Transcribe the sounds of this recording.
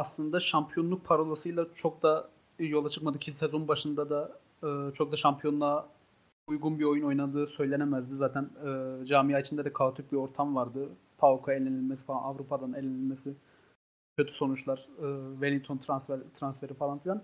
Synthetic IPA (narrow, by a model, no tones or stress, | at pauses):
aslˠɯnd̪aʃampʰijo̞nlˠuk̚pʰaɾolˠasɯjlˠat͡ʃʰo̞k̚d̪a | jo̞lˠat͡ʃʰɯkmad̪ɯkcʰisezo̞nbaʃɯnd̪ad̪a | ɯːt͡ʃʰo̞k̚d̪aʃampʰijo̞nlˠa | ujɡunbio̞juno̞jnad̪ɯːsø̞jlʲe̞nemæzd̪izaːt̪ʰænɯːd͡ʒaːmijaːit͡ʃʰind̪ɛd̪ɛkʰavt̪ʰyk̚bio̞ɾt̪ʰamvaɾd̪ɯ | pʰalˠkʰoelʲenilʲmesi̥falˠa̰navɾupʰad̪anelʲenilʲmesi | cʰø̞t̪ʰy̥so̞nut͡ʃlˠaɾ̥ɯːvelʲiŋt̪ʰo̞nt̪ʰɾansɾt̪ʰɾansfe̞ɾifalˠanfilʲˠan